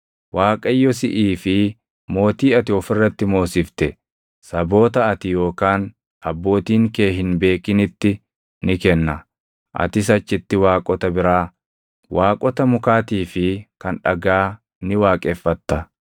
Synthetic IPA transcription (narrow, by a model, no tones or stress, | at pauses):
waːkʼɐjːɔsɪʔiːfɪ | mo̞ːt̪iːɐt̪ɪɔfɪrːɐt̪ːɪmo̞ːsɪft̪ɛ | sɐbo̞ːt̪ɐɐt̪ɪjo̞ːkaːn | ɐbːo̞ːt̪iːŋke̞ːɦɪnbe̞ːkɪnɪt̪ːɪ | nɪkɛnːɐ | ʔɐ̰t̪ɪs̬ɐt͡ʃːɪt̪ːɪwaːkʼɔt̪ɐbɪɾaː | waːkʼɔt̪ɐmʊkaːt̪iːfɪkɐnᶑɐɡaː | nɪwaːkʼɛfːɐt̪ːɐ